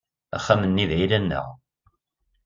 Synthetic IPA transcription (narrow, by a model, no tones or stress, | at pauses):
æ̰χːæmənːiðilænːə̰ʁ